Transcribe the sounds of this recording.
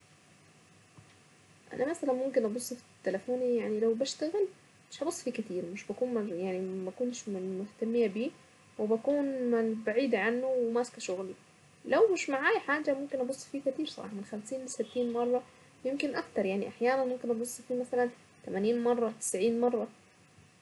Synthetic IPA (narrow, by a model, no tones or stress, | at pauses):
ʔa̰namasalanmʊmkɪnʔɑbosˤːfi̥it̪ːelafoːnijaʕnilawbaʃt̪aɣɪl | mɪʃʔɑbosˤːfikɪt̪iːɾmɪʃbakuːnmajaʕnimakuːnʃmmʊht̪amːɪjabiː | wɪbakuːnabaʕiːd̪ʕanːʊwɪmaːskaʃʊɣli | lawmɪʃmaʕaːjħaːd͡ʒamʊmkɪnʔɑbʊsˤːfiːkɪt̪iːɾsˤɑ̰bɑ̰ːħmɪnxamsiːnlɪsɪt̪ːiːnmɑrˤːɑ | jɪmkɪnʔakt̪ɑɾˤjaʕniʔaħjaːnanmʊmkɪnʔɑbosˤːfiːmasalan | t̪amaniːnmɑrˤːɑt̪ɪ̥sʕiːnmɑrˤːɑ